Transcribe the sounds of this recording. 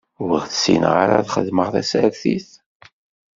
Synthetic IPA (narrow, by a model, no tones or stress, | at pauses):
wəʁθsḭnʁaɾa̰ðχə̰ðməʁθæsæɾθiθ